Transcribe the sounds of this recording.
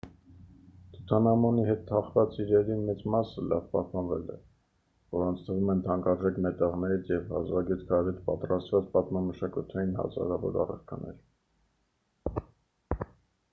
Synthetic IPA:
t̪ʰut̪ʰɑnɑmɔniɦɛt̪t̪ʰːɑχvɑt͡siɾɛɾimɛt͡smɑsəlɑ̰vpɑ̰hpɑnvɛlɛ̰ | vɔɾɑnt͡sʰt̪ʰəvumɛnt̪ʰɑŋkɑɾʒɛkmɛt̪ɛʁnɛɾit͡sʰjɛvhɑ̰zʁɑɡɛt̪kʰɑɾɛt̪pɑt̪rɑst̪vɑt͡spɑt̪mɑməʃɑkut̪ʰɑjinhɑ̰zɑ̰ɾɑvɔ̰ɾɑ̰rɑ̰ɾkʰɑ̰nɛ̰ɾ

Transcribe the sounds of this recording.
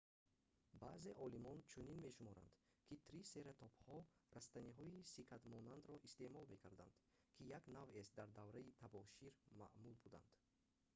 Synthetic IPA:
baze̞ʔɔlimɔnt͡ʃʰuninme̞ʃumɔɾa̰nd̪ | kʰit̪ʰɾise̞ɾat̪ʰɔphɔɾast̪aniɦɔisikʰat̪mɔnand̪ɾɔʔist̪e̞mɔlme̞kʰaɾd̪a̰nd̪̥ | kʰijaknavesd̪aɾd̪avɾait̪ʰabɔʃiɾma̰ʔmulbud̪a̰nd̪̥

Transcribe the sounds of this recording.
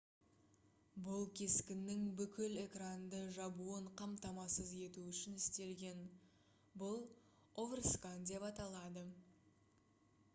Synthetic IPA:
bʊlˠkʲʰe̞skʲɪnːɪŋbʏkʲɪle̞krand̪əʒɑbuəɴqʰɑmt̪ɑmɑsəze̞t̪uʏʃɪnɪst̪e̞lɡʲe̞n | bʊlˠ | ovrskand̪e̞pɑt̪ɑlˠɑd̪ə

